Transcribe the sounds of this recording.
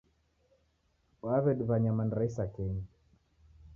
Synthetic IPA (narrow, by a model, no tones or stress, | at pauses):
waβɛɗβaɲamanɾaisakɛɲi